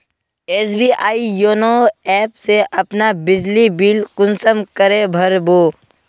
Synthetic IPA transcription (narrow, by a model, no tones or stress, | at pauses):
eːs̬biːʔaːijoːnoɛːpseʔɐpnabɪd͡ʒlibiːlkʊnsəmkəɾebʱɐɾboː